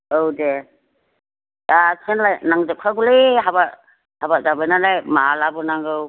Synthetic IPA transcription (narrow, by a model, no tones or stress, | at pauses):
owde | asʰenlajnaŋdɯp̚kʰaɡuleɦaba | habad͡ʒabajnalajmaalabɯnaŋɡɯw